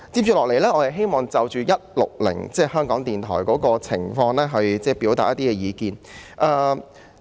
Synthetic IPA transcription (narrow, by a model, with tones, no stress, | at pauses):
t͡siː˧˥p̚t͡ʃyː˧lɔː˨le˨˩jlɛː˥ʔɔː˨˧jɐ˨˩wɦe˥jmɔː˨ŋt͡sɐ˨wt͡ʃyː˨˧jɐ˥t̚lʊ̰˨k̚lɪ̰˨˩ŋt͡sɛː˥hɦœː˥ŋkɔː˨˥ŋt̪iː˨˩nt̪ʰɔː˨˩jkɔː˨˥kɔː˧t͡sʰɪ˨˩ŋfɔː˧ŋlɛː˥ɦɵ˧ɥt͡sɛː˥˩piː˨˥wt̪aː˨jɐ˥t̪iː˥kɛ˧jiː˨˧kiː˨nʔɐː˧